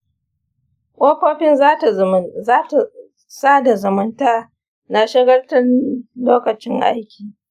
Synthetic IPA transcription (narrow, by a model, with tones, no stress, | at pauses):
ʔʷʔɐ˦kʷoː˦ɸɪ˦n˦˨˦ | saː˦da˨zɐ˨mʊ˦ntaː˦ | na˨ʃɪ˦ɡɐ˦rtɐ˦loː˦kɐ˨t͡ʃɪ˦ŋʔa̰˦jkʲiː˨